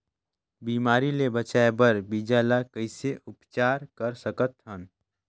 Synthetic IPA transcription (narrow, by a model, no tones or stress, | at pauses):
biːmaːɾilebət͡ʃaːebəɾbiːd͡ʒaːlakəɪseʔʊpt͡ʃaːɾkəɾsəkət̪ɦən